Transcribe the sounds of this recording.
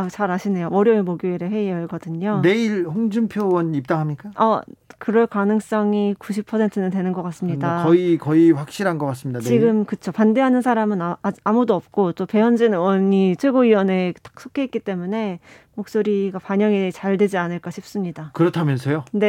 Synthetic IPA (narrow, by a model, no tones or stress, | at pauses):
t͡ɕaɾaɕʰine̞joʌɾjʌemoɡjoiɾehe̞iʌiɭɡʌdɯɲone̞iɭɸoŋd͡ʑumpʰjowʌnip̚t͈aŋɦamɲik͈aʌkɯɾʌɭkanɯŋs͈ʌŋikuɕ̬ʰipʰːʌsʰe̞ntʰɯnɯntwe̞nɯnɡʌk͈as͈ɯmɲidakʌikʌiɸwak̚ɕ͈iɾɦanɡʌk͈as͈ɯmɲidaniɡɯmkɯt͡ɕʰopande̞ɦanɯnsʰaɾamɯnamudoʌp̚k͈ot͈ope̞jʌnd͡ʑinɯwʌɲit͡ɕʰwe̞ɡoiwʌne̞t͈ḁk̚s͈ʰokʰeit̚k͈it͈e̞mune̞ | mok̚s͈oɾiɡapaɲʌŋit͡ɕaɭdwed͡ʑianɯɭk͈aɕʰip̚s͈ɯmɲidakɯɾʌtʰamjʌnsʰejone̞